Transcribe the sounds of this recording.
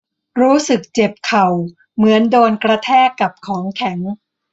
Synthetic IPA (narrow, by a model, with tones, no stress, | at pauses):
ɾuː˦˥sɯ˨˩k̚t͡ɕe˨˩p̚kʰa˨˩w | mɯ˩˦əndoː˧nkɾa˧t̪ʰɛː˥˩kːa˨˩p̚kʰɔː˩˦ŋkʰɛ˩˦ŋ